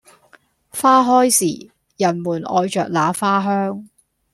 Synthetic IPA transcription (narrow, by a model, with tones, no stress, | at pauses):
faː˥ɦɔː˥jsiː˨˩ | jɐ˨˩nmuː˨˩nʔɔ̰ː˨˧jt͡ʃœː˨k̚laː˨˧faː˥ɦœː˥ŋ